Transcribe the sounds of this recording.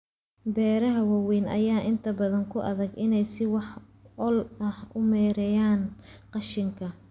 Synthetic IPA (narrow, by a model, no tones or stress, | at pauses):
bɛːɾɐɦɐwɑwiːnʔɐ̰jaːʔɪnt̪ʰɐbɐðɐŋkʰʊʔɐðɐɡɪnɛjsɪwɑħ | ɔlɐhʊmɛːɾɛjaːnqɑʃɪŋkʰɐ